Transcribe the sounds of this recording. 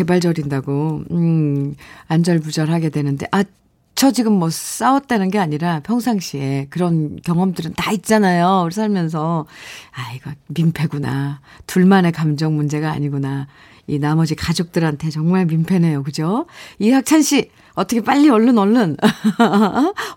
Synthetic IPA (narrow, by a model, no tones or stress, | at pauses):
ke̞baɭd͡ʑʌɾindaɡo | and͡ʑʌɭpud͡ʑʌɾɦaɡe̞dwe̞nɯnde̞̰ʔa | t͡ɕʰʌd͡ʑiɡɯmːʌs͈awʌt̚t͈anɯnɡe̞aɲiɾapʰjʌŋsʰaŋɕ͈ʰie̞kɯɾʌnkjʌŋʌmdɯɾɯntait̚t͡ɕ͈anajoɾis̬ʰaɭmjʌns̬ʰʌaiɡʌmimpʰe̞ɡuna | tuɭmane̞kamd͡ʑʌŋmund͡ʑe̞ɡa̰ːɲiɡuna | inamʌd͡ʑikad͡ʑok̚t͈ɯɾɦantʰe̞t͡ɕʌŋmaɭmimpʰe̞ne̞jokɯd͡ʑoihak̚t͡ɕʰanɕ͈ʰi | ʌtʰʌkʰe̞p͈aʎːiʌɭːɯnʌɭːɯn